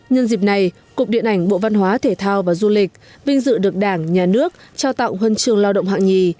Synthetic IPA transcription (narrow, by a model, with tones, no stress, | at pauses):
ɲə˧nzi˨˩p̚na˨˩j | kʊ˨˩k͡p̚ɗḭ˧˨ənʔa˧˩ŋ̟ɓo̰˧˨va˧nɦwaː˨˦t̪ʰe˧˩t̪ʰaː˧wvaː˨˩zu˧lï˨˩k̟̚ | vi˧ŋ̟zɨ̰˧˨ɗɨ˨˩ək̚ɗaː˧˩ŋɲaː˨˩nɨ˦˥ək̚t͡ɕaː˧wt̪a̰˧˨wŋ͡mɦwə˧nt͡ɕɨ˧əŋlaː˧wɗə̰˧˨wŋ͡mɦa̰ː˧˨ŋɲi˨˩